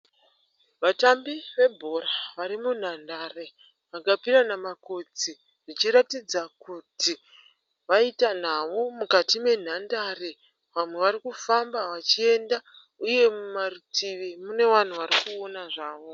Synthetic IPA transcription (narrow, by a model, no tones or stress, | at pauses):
ʋatambiʋe̞bʱo̞ɾaʋaɾimun̤andaːre | ʋaɡʱapiɾanamako̞d͡zi | ʐit͡ʃiɾatid͡zakuti | ʋaitan̤aʋomukatime̞n̤andare̞ | ʋamwe̞ʋaɾikufambaʋat͡ʃie̞nda | uje̞mmarutʰiʋimune̞ʋan̤uʋaɾikuonaʐaːʋo̞